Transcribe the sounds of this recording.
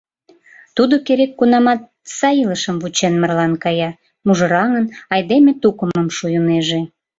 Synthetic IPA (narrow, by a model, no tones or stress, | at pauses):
t̪ud̪okeɾekːunɑmɑt̪̚sɑjiləʃəmvut͡ɕenmərlɑnkɑjɑ | muʒə̆ɾɑŋənɑjd̪emet̪ukəmə̆mʃujuneʒe